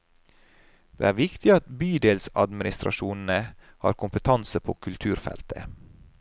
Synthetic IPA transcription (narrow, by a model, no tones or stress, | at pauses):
d̪̥ḛːæːɾʋɪkt̪ɪɑt̪byːd̪eːlsɑ̰d̪mɪnɪst̪ɾʔɑ̰ʃuːnn̩ə | hɑ̰ːɾkʰʊmpət̪ʰɑnsəpʰoːkʰʉlt̪ʰʉːɾfɛ̰lt̪ʰə̰